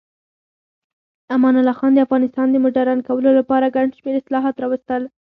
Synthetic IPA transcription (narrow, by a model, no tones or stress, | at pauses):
amɑnalɑxɑnd̪əafɣɑnɪst̪ɑnd̪əmʊʈaɾɑnkawəlolapɑɾaɡaɳɖʃmeɾɪslɑɦɑt̪ɾɑwəst̪əl